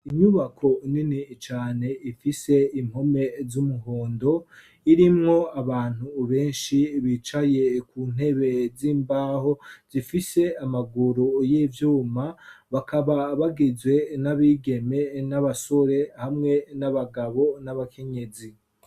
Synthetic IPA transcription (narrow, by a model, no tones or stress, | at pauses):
iɲuβakʰo̞ninit͡ʃaːne̞ifise̞im̥ho̞me̞zumuɦoːndo̞ | iɾimŋo̞aβaːn̥huβe̞ːnʃiβit͡ʃaje̞kuːn̥he̞βe̞ziːmbaːho̞z̥ifise̞amaɡuɾujivjuːmaβakaβaβaɡizwe̞naβiːɡe̞me̞naβaso̞ɾe̞hamŋe̞naβaɡaβo̞naβakʰe̞ɲe̞zi